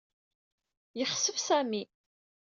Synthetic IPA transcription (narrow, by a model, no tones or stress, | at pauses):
jəχsəvsæmi